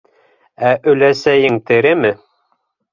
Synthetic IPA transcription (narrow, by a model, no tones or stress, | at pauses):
æʔɵ̆læsæjɘŋt̪ɘ̆ɾɘmɘ